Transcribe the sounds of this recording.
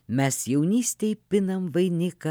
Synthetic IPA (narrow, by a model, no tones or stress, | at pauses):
mʲɛsjɛʊnʲiːsʲt̪ʲɛjpʲɪnɐmʋɐɪnʲɪkɐ